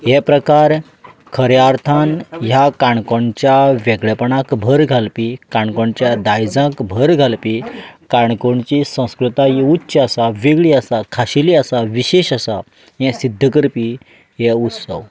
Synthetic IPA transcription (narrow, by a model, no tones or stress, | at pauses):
ɦɛpɾəkaɾ | kʰəɾjaɾt̪ʰanjakaɳ̃koɳt͡ɕjaʋɛɡɭɛpəɳãkbʱəɾɡʱalpikaɳkoɳt͡ɕjad̪ajd͡zãkbʱəɾɡʱalpikaɳkoɳt͡ɕisə̃w̃skɾut̪ajiutːɕasaʋeɡɭiasakʰaɕiliasaʋiɕeɕasa | jɛ̃sid̪ʱːəkəɾpi | ɦɛut̪sə̰w